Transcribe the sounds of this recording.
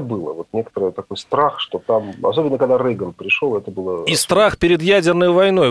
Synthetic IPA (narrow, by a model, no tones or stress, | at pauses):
bɨlˠə̰vo̞t̪nʲe̞kə̥t̪əɾəjət̪ːɐko̞jst̪ɾaxʂt̪o̞t̪amɐ̰so̞bʲɪnːəkɐɡ̚d̪aɾɛɡənpɾʲɪʂolˠɛt̪əbɨlˠəist̪ɾaxpʲɪɾʲɪd̪jædʲɪrnəjvɐjno̞j